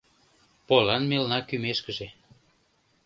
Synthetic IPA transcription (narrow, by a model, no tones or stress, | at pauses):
polɑnmelnɑkymeʃkəʒe